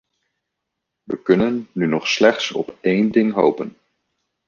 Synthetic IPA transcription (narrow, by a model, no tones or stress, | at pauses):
ʋəkɵnənːynɔχslɛχtsɔ̰pejndɪŋɦo̰wpən